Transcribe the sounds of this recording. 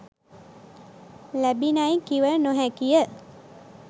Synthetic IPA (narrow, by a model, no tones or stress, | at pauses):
læbinajkiʋənoɦækijə